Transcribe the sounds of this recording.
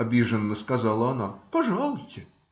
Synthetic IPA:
ɐbʲiʐənːəskɐzɑlˠəɐnapɐʐɑlˠʊjʲtʲɪ

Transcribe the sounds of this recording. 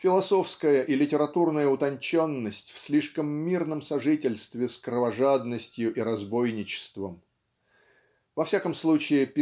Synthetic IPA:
fʲɪlˠɐso̞fskəjəʔilʲɪtʲɪɾɐt̪urnəjəʊt̪ɐnʲt͡ɕo̞nːəsʲtʲfsʲlʲiʂkəmːʲirnəmsɐʐɨtʲɪlʲst̪vʲɪskɾəvɐʐad̪nəsʲtʲjʊʔiɾɐzbo̞jnʲɪt͡ɕɪ̥st̪vəm | vɐfsʲakəmslˠut͡ɕɪɪpʲ

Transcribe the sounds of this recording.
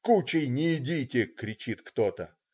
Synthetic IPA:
kut͡ɕɪjnʲɪɪdʲitʲɪkɾʲɪt͡ɕit̪kt̪ot̪ə

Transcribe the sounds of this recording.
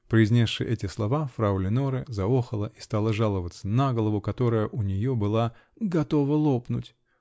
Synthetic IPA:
pɾʲɪzʲnʲesʂɨ̰ʔɛtʲɪslˠɐvafɾaʊlʲɪnoɾɨzɐoxəlˠəʔi̥st̪alˠəʐalˠəvət̪sənaɡəlˠəvʊkɐt̪o̞ɾəjəʔʊnʲɪjobɨlˠaɡɐt̪o̞vəlˠo̞pnʊtʲ

